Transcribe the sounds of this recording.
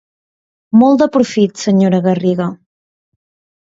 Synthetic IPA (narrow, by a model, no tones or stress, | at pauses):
molˠd̪əpɾufit̪səɲoɾəɣəriɣə